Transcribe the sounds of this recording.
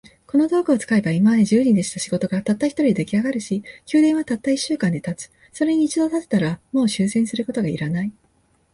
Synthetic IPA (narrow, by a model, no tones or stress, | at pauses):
ko̞no̞d̪o̞ːkɯ̟ot͡sɨ̥kaebaimaβad̪e̞ʑɨːɲĩd̪e̞ɕi̥t̪aɕiɡo̞t̪o̞ɡat̪at̪ːaçi̥t̪oɾid̪d̪ekʲiaɡaɾɯ̟ɕikʲɨːd̪ẽ̞ɰ̃βat̪at̪ːaiɕːɨːkãnd̪e̞t̪at͡sɨ̥ | so̞ɾe̞ɲ̟iːt͡ɕid̪o̞t̪at̪e̥t̪aɾamo̞ːɕɨːsẽ̞ɰ̃sɨɾɯ̟ko̞t̪o̞ɡaḭɾanai